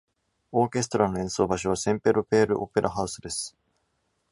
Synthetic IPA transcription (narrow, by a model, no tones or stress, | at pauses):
o̞ːkʲe̞s̬t̪o̞ɾano̞ẽ̞ɰ̃so̞ːbaɕ̬oβasẽ̞mpeɾo̞pe̞ːɾɯ̟̰ʔo̞pe̞ɾʔaɦaɯ̟sɨd̪e̞sɨ̥